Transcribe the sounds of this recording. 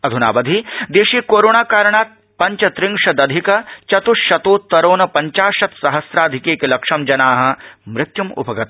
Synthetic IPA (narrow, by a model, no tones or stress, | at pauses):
ɐd̪ʱunaːʋɐd̪ʱid̪eːʃiːkoːɾoːnaːkaːɾɳ̃aːt̪̚ | pɐɲt͡ʃɐt̪ɾɪŋʂɐd̪ɐd̪ʱikɐt͡ʃɐt̪uʃɐt̪oːt̪ːɐɾoːnɐpɐɲt͡ʃaːʃɐt̪sɐɦɐsɾaːd̪ʱɪkeːkelɐkʂɐmd͡ʒɐnaːɦɐ̆mɾɪt̪jumʊ̰pɐɡɐt̪